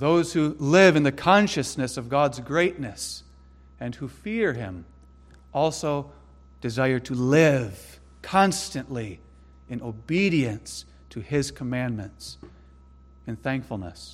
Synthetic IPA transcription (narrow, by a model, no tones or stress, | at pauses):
ðoʊz̥hulɪvɨ̃nðɨkʰɑ̃nʃɨsnɨsʌvɡɑdzɡɹeɪtⁿnɨs | ɨ̃nhufɪɹɪ̰̃m | ʔɔlˠsoʊ | d̥ɨzaɪə˞tʰɨlɪv̥ | kʰɑ̃nstɨ̃nʔli | ɨ̃noʊbiɾiɨ̃ns | tʰɨɪz̥kʰəmæ̃nmɨ̰̃nts | ɨ̃nθæ̃ŋkfl̩ˠnə̰s